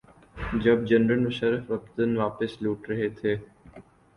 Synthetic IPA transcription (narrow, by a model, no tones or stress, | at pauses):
d͡ʒɐb̚d͡ʒɐnɾəlmʊʃəɾəfʋɐkt̪ənʋaːpɪsluːʈɾɐɦet̪ʰeː